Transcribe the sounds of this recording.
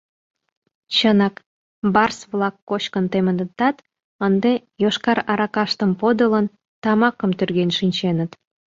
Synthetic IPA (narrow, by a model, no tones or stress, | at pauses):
t͡ɕənɑk | bɑrsβlɑkːot͡ɕkənt̪emənət̪ɑt̪ | ənd̪ejoʃkɑɾɑɾɑkɑʃt̪əmpod̪ələn | t̪ɑmɑkəmt̪yrɣenʃinʲt͡ɕenət̪